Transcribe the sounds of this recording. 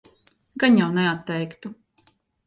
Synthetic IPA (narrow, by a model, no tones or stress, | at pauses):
ɡaɲjawnɛat̪ːɛjkt̪u